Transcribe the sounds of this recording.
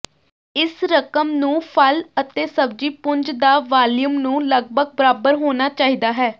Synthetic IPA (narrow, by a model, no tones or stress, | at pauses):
ɪsɾəkəmnũːpʰələt̪eːsəb̚d͡ʒiːpʊɲd͡ʒd̪aːʋaːljumnũːləɡbʱəɡ̚bəɾaːbəɾɦoːnaːt͡ʃaːɦiːd̪aːɦɛː